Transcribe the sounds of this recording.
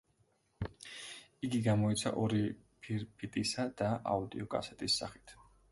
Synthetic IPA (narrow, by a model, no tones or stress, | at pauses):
iɡiɡamɔit̪sʰa̰ʔɔɾipʰiɾpʰit̪ʼisad̪̥aʔa̰ud̪iɔkʼa̰sɛt̪ʼisːa̰χi̥t̪ʰ